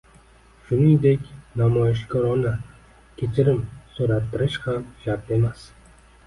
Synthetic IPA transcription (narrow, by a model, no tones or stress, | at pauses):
ʃʊniŋd̪e̞kʲnamɒjɪʃ̬kʰɒɾɒna | kʲʰe̞t͡ʃʰɪɾɪmsoɾat̪ʰːɪɾɪʃhamʃap̪e̞mas